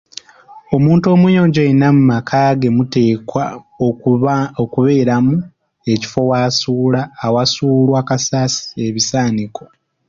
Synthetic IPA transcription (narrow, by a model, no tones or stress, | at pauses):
o̞muːntuo̞ːmujo̞ːɲɟoenamumakʰaɡe̞mute̞ːkwa | okuβe̞ːɾamu | e̞ci̥fo̞waːsuːlaːwasuːlwakasaːsi̥e̞βisaːniko